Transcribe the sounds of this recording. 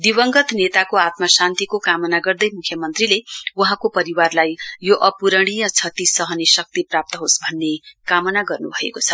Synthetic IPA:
d̪iβʌŋɡʌt̪net̪akoat̪mʌsãnt̪ikokamʌnaɡʌrd̪ʌjmukʰjʌmʌnt̪rilewʌɦãkopʌɾiwarlajjoʔʌpuɾʌɽ̃ijʌt͡sʰʌt̪isʌɦʌnesʌk̚t̪iprap̚t̪ʌɦosbʱʌnːekamʌnaɡʌrnubʱʌekot͡sʰʌ

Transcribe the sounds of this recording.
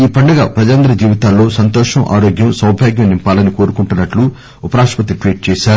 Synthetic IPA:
iːpɐɳɖɐɡa̰ːpɾɐd͡ʒaːnd̪ɾɐd͡ʒiːʋit̪aːlːo̞ːsɐnt̪ɔːʂɐmʔa̰ːɾoːɡjɐmsɐwbʱaːɡjɐmnimpaːlɐniko̞ːɾukuɳʈunːɐʈlu | upɐɾaːʂpɐt̪̬iʈʋiːʈ̚t͡ʃɛːʃaːɾu

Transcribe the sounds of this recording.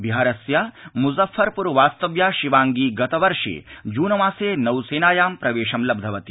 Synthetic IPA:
biɦaːɾɐsjamuzɐfːɐɾpuɾʋaːst̪ɐʋjaːʃiʋaːŋɡiːɡɐt̪ɐʋɐɾʂḛːd͡ʒuːnɐmaːseːnɐwseːnaːjaːmpɾɐʋeːʂɐmlɐb̚d̪ʱɐʋɐt̪i

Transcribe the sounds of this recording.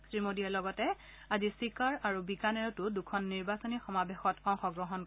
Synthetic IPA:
stɹimodialɔɡɔtɛ | azisikaɹaɹubikanɛɹtʊdukʰɔnːiɹbasɔnixɔmabexɔtɔŋxɔɡɹɔɦɔn

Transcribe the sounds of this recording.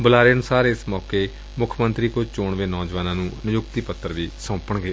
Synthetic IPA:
bʊlaːɾeːənʊsaːɾɪsmɔːkeː | mʊkʰmə̃nt̪ɾiːkot͡ʃoːɳʋeːnɔːd͡ʒʋaːnãːnũːnɪjʊkt̪iːpət̪ːəɾʋiːsõːpəɳɡeː

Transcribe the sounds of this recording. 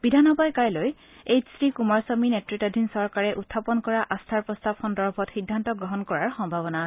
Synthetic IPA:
bidʱanɔbajkaɹloj | ejsɹikumaɹsɔminetɹitadʱinsɔɹkaɹɛʔutʰːapɔnkɔɹaʔast̪ʰaɹpɹɔst̪apʰɔndɔɹbʰʱɔtxidʱːantɔɡɹɔɦɔnkɔɹaɹxɔŋbʱabɔna

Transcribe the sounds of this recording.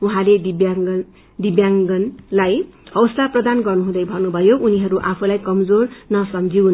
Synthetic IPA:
uɦãled̪ibjaŋɡ | d̪ibjaŋɡʌnlajʌwslaprʌd̪anɡʌrnuɦũd̪ʌjbʱʌnubʱʌjoʔuniɦʌɾuʔapʰulajkʌmd͡zornʌsʌmd͡ziun

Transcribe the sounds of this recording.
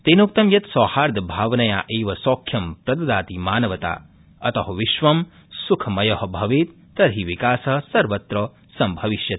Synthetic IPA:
t̪eːnuk̚t̪ɐmjɐt̪sɔːhaːɾd̪ʱbʱaːʋɐnɐja̰ːʔeːʋɐsɔːkʰːjɐmpɾɐd̪ɐd̪aːt̪imaːnɐʋɐt̪a̰ː | ɐt̪ɐɦɐʋiʃʋɐm | sukʰɐmɐjɐɦɐ̆bʱɐʋeːt̪ːɐɾɦiʋikaːsɐɦsɐɾʋɐt̪ɾɐː | sɐmbʱɐʋiʃjɐt̪̚

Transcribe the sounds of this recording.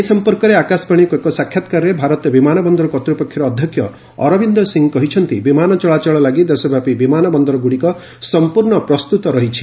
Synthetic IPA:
eisɔmpɔɾkɔɾeakaspaɽ̃ikuekɔsakʰjat̪kaɾɾebʱaɾɔt̪ɔbimanɔbɔnd̪ɔɾɔkɔt̪ɾupɔkʰjɔɾɔːd̪ʱjɔkʰjɔ | ɔ̰ɾɔbind̪ɔsiŋkɔɦit͡ʃʰɔnt̪ibimanɔt͡ʃɔɭat͡ʃɔɭɔlaɡid̪esɔbʱapibimanɔbɔnd̪ɔɾɔɡuɽikɔ | sɔmpuɾɳɔpɾɔst̪ut̪ɔɾɔɦit͡ʃʰi̥

